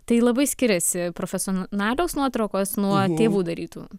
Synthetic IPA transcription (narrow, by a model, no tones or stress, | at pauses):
t̪ɐɪlˠɐbɐɪsʲkʲɪɾʲɛsʲɪpɾoːfʲɛsʲonnɑːlʲoːsnuɔt̪ɾɐʊkoːsnuɔt̪ʲeːʋuːd̪ɐɾʲiːt̪ṵː